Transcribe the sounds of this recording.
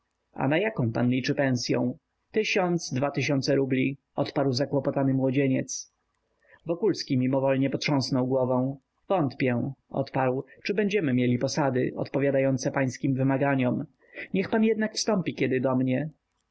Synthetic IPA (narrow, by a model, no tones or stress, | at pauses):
a̰najakɔ̃w̃panlʲit͡ʂɘpɛ̃w̃sʲjɔ̰̃w̃ | t̪ɘɕɔnd̪zd̪vat̪ɘɕɔnt̪sɛɾublʲi | ɔt̪paɾwzakwɔpɔt̪anɘmwɔd͡ʑeɲɛt̪s | vɔkulskʲimʲimɔvɔlɲɛpɔtʂɔ̃w̃snɔwɡwɔvɔ̃w̃ | vɔnt̪pʲjɛ̃ɔ̰t̪paɾwt͡ʂɘbɛɲd͡ʑɛmɘmʲjelʲipɔsad̪ɘʔɔ̰t̪pɔvʲjad̪ajɔnt̪sɛpaj̃skʲimvɘmaɡaɲɔm | ɲɛxpanjɛd̪nakfst̪ɔmpʲikʲɛd̪ɘd̪ɔmɲɛ